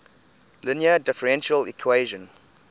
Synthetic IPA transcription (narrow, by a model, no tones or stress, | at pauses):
lɪnjədɪfəɹɛ̃nʃəlḭkʰweːʒə̃n